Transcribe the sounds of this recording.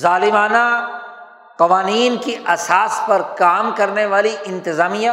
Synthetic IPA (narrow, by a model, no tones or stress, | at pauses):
zaːlɪmaːna | qɐʋaːniːnkiʔɐsaːspɐɾkaːmkɐɾneʋaːliʔɪ̃nt̪ɪzaːmijã